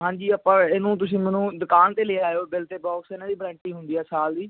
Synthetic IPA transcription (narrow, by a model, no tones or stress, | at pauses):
ɦãːɲd͡ʒiːəpːãːeːnũːt̪̬ʊsĩːmɛːnũːd̪ʊkaːnt̪eːleːaːjoːbɪlt̪eːbɔːksɪnãːd̪iːbɾɛ̃ːɳʈiːɦʊnd̪iːɛːsaːld̪iː